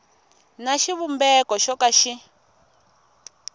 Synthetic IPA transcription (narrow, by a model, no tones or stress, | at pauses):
naʃiβumbɛkɔʃɔkaʃi